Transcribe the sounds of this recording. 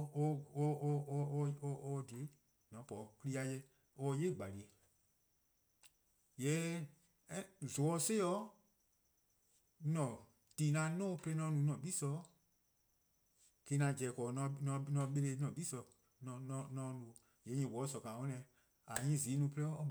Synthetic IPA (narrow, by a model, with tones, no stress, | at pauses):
o˧o˧o˧o˧di˨e˨˦ | nɔ̃˨˦pɔ˨kɨ˦ɾi˧˦a˧je˧ | o˧˦je˦˨ɡ͡ba˨li˨ | jɛ˨˦ | zo˨ɔ˧˦se˦ɔ˦ | nɔ̃˨ | ti˨nã˧˨nɔ̃ː˦˨˦pe˧le˧˦nɔ̃˧˦nũː˨˦nɔ̃˨ɓi˦sɔː˧˦ | ke˨˦nã˨˧˨d͡ʒɛː˨kɔː˨nɔ̃˧nɔ̃˧nɔ̃˧ɓe˧le˧˦nɔ̃˨ɓi˦sɔ˨˧˨ | nɔ̃˨˧nɔ̃˧nɔ̃˧nũ˨ | jɛ˨˦ɲĩ˧˨wɔː˨˦sɔ˨kã˨ɔ̃˦nɛ̃˨˦ | a˨ɲĩ˦˨ziː˨˦nũː˧˦pe˦lɛ˦ɔ˦o˦˨